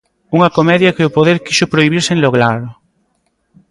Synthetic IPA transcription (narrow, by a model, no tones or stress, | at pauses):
uŋɐkomɛðjɐkɪʊpoðeɾkiʃʊpɾoiβ̞iɾsẽnloɣlaɾʊ